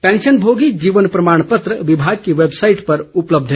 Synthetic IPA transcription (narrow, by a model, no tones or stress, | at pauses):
pɛ̃nʃənbʱoɡid͡ʒiʋənpɾəmaɳ̃pət̪ɾəʋibʱaɡ̚keʋebsaiʈpəɾupləb̚d̪ʱ